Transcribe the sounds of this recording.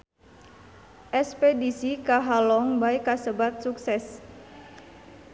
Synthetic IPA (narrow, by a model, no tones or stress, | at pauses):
ʔɛspedisikaɦalɔŋbajkasəbat̪̚suksɛs